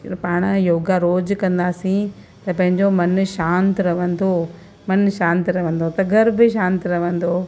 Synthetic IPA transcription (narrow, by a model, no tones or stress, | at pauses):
paːɽ̃joːɡaɾoːd͡ʑkɐ̃nd̪aːsĩ | t̪ɐpɐ̃ɦɪ̃ɲd͡ʑomɐnʃãːnt̪ɾɐʋə̃nd̪oː | mɐnʃãːnt̪ɾɐʋə̃n̆d̪ot̪ɐɡʱɐɾbɪʃãːnt̪ɾɐʋə̃nd̪oː